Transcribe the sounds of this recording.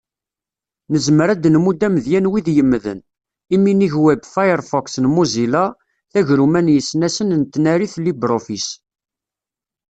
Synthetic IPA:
nəzməɾæd̪nmud̪æməðjænwiðjəmːðə̰n | iminiʝwæbfajəɾfɔksnmuzila | θæʝɾumænjəsnæsənnt̪ːnæɾiθlibɾofis

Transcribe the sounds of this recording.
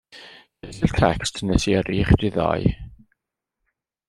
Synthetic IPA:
ɛɬɪltʰɛkstʰnɛsʰiəɾiːχd̥ɪðɔ̰ɨ

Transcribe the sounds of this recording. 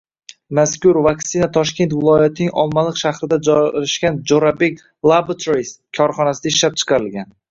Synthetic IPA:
maskʲʊɾvakt̪sɪnat̪ʰɒʃkʲe̞nt̪vɪlˠɒjat̪ɪnɪŋʔɒlˠmalˠɨqʃaχɾɪd̪ad͡ʒɒɾɪʃkʲand͡ʒoɾabekʲ | lˠabat̪ʰoɾiskʰɒɾχɒnasɪd̪aɪʃlap̚t͡ʃʰɨ̥qʰɑɾɪlɡʲan

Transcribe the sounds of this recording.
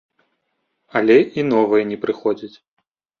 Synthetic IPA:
ɐlʲɛʔinɔvɨjɛnʲɛpɾɨxɔd͡zʲit͡sʲ

